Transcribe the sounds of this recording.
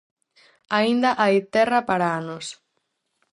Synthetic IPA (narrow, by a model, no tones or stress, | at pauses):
aind̪ɐʔajt̪ɛrɐpaɾaanos